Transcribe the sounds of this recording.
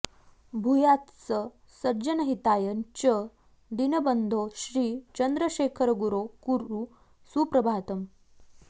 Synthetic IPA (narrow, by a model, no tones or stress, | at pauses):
bʱujat̪t͡sə | səɾd͡ʑənəɦit̪ajənt͡ɕə | d̪inəbənd̪ʱoɕɾiːt͡ɕənd̪ɾəɕekʰəɾɡuɾokuɾu | supɾəbʱat̪əm